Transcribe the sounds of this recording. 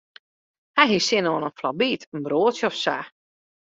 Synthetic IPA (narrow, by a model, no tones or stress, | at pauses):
hɛjɦisɪnoːənənflɔbiːtʰənbroːtsjəɔfsa̰